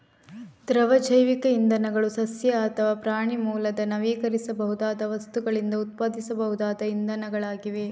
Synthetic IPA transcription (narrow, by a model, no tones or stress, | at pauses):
d̪ɾɐʋɐd͡ʒɐjʋikɐind̪ɐnɐɡɐɭusɐsjɐːt̪ʰɐʋaːpɾaːɳimuːlɐd̪ɐnɐʋiːkɐɾisɐbɐɦud̪aːd̪ɐʋɐst̪uɡɐɭind̪ɐut̪̚paːd̪isɐbɐɦud̪aːd̪ɐind̪ɐnɐɡɐɭaːɡiʋe